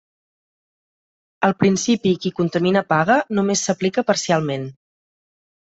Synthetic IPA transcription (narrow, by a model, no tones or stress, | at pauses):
əlˠpɾinsipikikunt̪əminəpaɣənumesːəplikəpəɾsialˠmen